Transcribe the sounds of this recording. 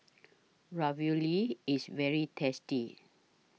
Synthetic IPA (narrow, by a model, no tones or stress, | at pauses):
ɹɔvjuliːsvɛɹitʰɛsti